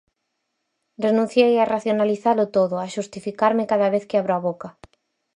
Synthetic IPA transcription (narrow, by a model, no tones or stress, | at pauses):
renũn̟θjejaraθjonaliθalʊt̪oðʊaʃust̪ifikaɾmɪkaðaβeθkɪaβɾoaβoka